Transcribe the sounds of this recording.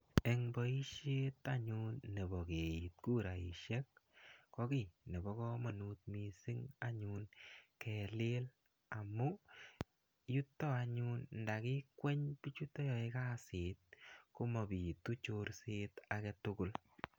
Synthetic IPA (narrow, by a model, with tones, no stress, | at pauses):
ɛ˨ŋbɔ˨i˦ʃe˦ta˦ɲunːe˨bɔ˨ke˨ji˨t̪̚ku˦ɾa˨i˨ʃɛ˦k̚kɔ˦ki˦nɛ˨bɔ˦kɔ˦ma˨nu˧t̪̚mi˨sɪ˦ŋa˦ɲunkɛ˨le˦l | a˨mu˦ | ju˦tːɔ˦a˧ɲu˦nnda˨ki˦kwɛ˦ɲpi˦t͡ʃu˦tːɔ˦jɔ˨ɪ˦ka˦sɪ˨t̪̚kʊ˦mɔ˨bi˨t̪u˦t͡ʃoɾset̪akɛ˧tʊ˦kʊ˦l